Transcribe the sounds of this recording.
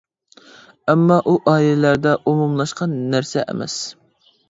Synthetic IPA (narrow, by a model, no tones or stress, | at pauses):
ɛmːɑʔuʔɑːilɛlæɾd̪ɛʔumumlˠɑʃqʰɑnːæɾsɛʔæ̰mɛ̰s